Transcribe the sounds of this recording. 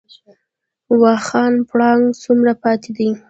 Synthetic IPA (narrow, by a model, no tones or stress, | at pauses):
wɑxɑnpɽɑŋɡt͡sumɾapɑt̪ʰed̪i